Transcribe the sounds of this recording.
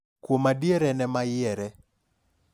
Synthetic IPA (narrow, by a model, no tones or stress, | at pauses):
kwomadieɾɛnɛmajɪɛɾɛ